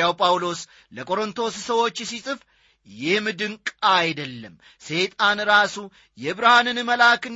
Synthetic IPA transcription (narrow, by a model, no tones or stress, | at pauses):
awpʼawlo̞s | ləkʼo̞ɾɨnt̪ʰo̞ssəwo̞t͡ʃːsisʼɨf | jɪhmɨd̪ɨŋkʼajd̪əlːəm | se̞t̪ʼanɨɾasu | jɛɨβɾahanɨnɨməlakɨn